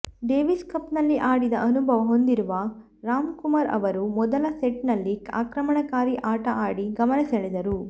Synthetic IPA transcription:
ɖeːʋiskɐpnɐlːiʔaːɽid̪ɐʔɐnubʱɐʋɐɦo̞nd̪iɾuʋɐ | ɾaːmkumɐɾɐ̰ʋɐɾumɔd̪ɐlɐseʈnɐlːika̰ːkɾɐmɐɳɐkaːɾiʔaːʈɐʔaːɽiɡɐmɐnɐseɭed̪ɐɾu

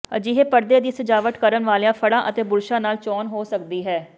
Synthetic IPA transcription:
ə̰d͡ʒiːɦeːpəɾd̪eːd̪iːsəd͡ʒaːʋət̪kəɾənʋaːljãːpʰəɽãːʔət̪eːbʊɾʃãːnaːlt͡ʃɔːnɦoːsəkd̪iːɦɛː

